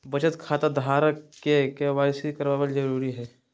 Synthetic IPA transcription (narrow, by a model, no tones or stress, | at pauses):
bət͡ʃət̪kʰaːt̪ad̪ʱaːɾəkkːekeʋaːɾsikəɾʋaːbəld͡ʒəɾuːɾiɦɛː